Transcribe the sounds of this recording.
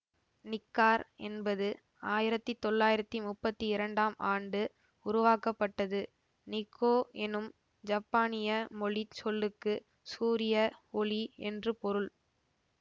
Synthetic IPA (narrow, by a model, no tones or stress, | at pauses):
nɪkːaːɾɛnbɐðɯ | aːjɪɾɐt̪ːit̪ɔɭːaːjɪɾɐt̪ːimʊpːɐt̪ːiɪɾɐɳɖaːmʔaːɳɖɯ | ʊɾʊʋaːkɐpːɐʈːɐðɯ | nɪkʰːoːɛnɯm | d͡ʒɐpːaːnɪjɐmɔɭit͡ʃɔlːɯkːɯ | suːɾɪjɐɔɭiɛ̰ndrɯpɔɾɯɭ